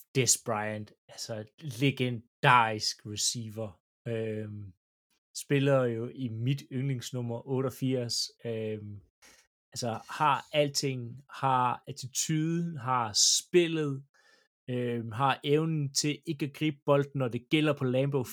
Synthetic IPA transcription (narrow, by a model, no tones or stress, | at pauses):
d̥esb̥ʁɑɪænd̥ | ælsɐleɡ̥end̥ɑ̈ːisɡ̥ʁɛsiːʋɐ | øm | sb̥e̝lɐjo̝ʔimid̥øŋle̝ŋsnɔm̰ɐʔɔ̽ːɾɒfiɐ̰søm | ælsɐhɑ̈æl̰d̥̚t͡sʰe̝ŋ̰hɑ̈æt͡sʰit͡sʰyːðˠɦɑ̈sb̥e̝lð̞̩ˠ | øɦɑ̈ʔeʊnn̩t͡sʰe̝ʔe̝ɡ̥æɡ̥ʁḭːb̥̚b̥ɒ̽l̰d̥̚n̩ːɒd̥e̝ɡ̥el̰ɐpʰɒ̽lɛːmb̥oʊ